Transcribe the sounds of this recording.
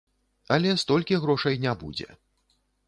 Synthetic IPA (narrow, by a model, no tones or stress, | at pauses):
ɐlʲɛst̪ɔlʲkʲiɣɾɔʂɐjnʲabṵd͡zʲɛ̰